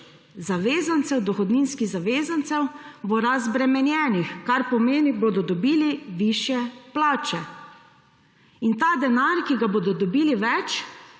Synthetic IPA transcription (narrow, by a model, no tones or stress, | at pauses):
zaʋeːzant̪sɛwd̪ɔxɔd̪niːnskiɣzaʋeːzant̪sɛwbɔɾazbɾɛmɛnjɛːnixkaɾpɔmeːniboːd̪ɔd̪ɔbiːliʋiʃjɛplaːt͡ʃɛ | int̪aːd̪ɛnaɾkiɡaboːd̪ɔd̪ɔbiːliʋɛt͡ʃ